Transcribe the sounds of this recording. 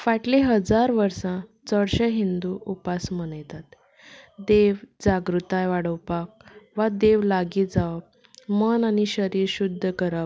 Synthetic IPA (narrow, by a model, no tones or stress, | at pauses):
faʈleɦəd͡zaɾʋəɾsãt͡səɽɕəɦind̪uʔupasmənəjt̪at̪ | d̪eʋd͡zaɡɾut̪ajʋaɽəwpak̚ʋad̪eʋlaɡiːd͡zaʋə | mənañiɕəɾiːɾɕud̪ʱːəkəɾa